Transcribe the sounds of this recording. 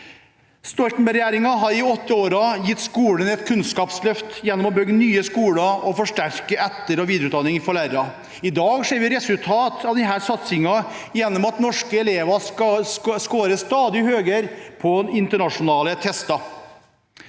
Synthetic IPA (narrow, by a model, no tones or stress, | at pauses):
st̪ɔlt̪n̩bɛɾɛjæːɾɪŋɑɦɑɾɪɔt̪ːəoːɾɑjɪt̪ːskuːɽənɛt̪kʰʉnskɑːpslœft̪jɛnːɔmɔbœɡːənyːəskuːɽɑɔfɔʂʈæɾkəæt̪ːəɾɔʋiːd̪ɾʉt̪d̪ɑnːɪŋəfɔɭæɾɑ | ɪd̪ɑːɡʂeːɾʋɪɾɛsʉlt̪ʰɑːt̪ʰɑʋd̪ɪɦæːɾsɑt̪sɪŋɑjɛnːɔmɑt̪nɔʂkəɛleːʋɑɑskoːɾəst̪ɑːd̪ɪhøːɡəɾpʰɔɪnt̪əɳɑʂʊnɑːlət̪ʰɛst̪ɑ